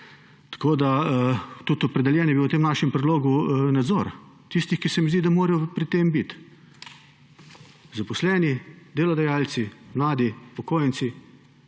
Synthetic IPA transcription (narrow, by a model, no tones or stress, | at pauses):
t̪ḁkoːd̪at̪ut̪ɔpɾɛd̪ɛljɛːnjɛbiowt̪eːmnaːʃɛmpɾɛd̪loːɡunad̪zoːɾ | t̪ist̪ixkisɛmizd̪id̪amoːɾɛjɔpɾit̪embit̪ | zapɔslɛːnid̪eːlɔd̪ajaːlsimlaːd̪ipɔkoːjnsi